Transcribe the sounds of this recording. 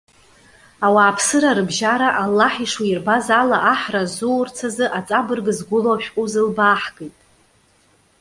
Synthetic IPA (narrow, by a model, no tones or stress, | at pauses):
awaːpʰsɨɾaɾɨbʒaɾaʔalːaħiʂwairbazalaʔaħrazuwrt͡sʰazɨʔat͡sʼabɨrɡɨzɡʷʊloaʃᶣkʷʼuzɨlbaːħɡ̥ejtʼ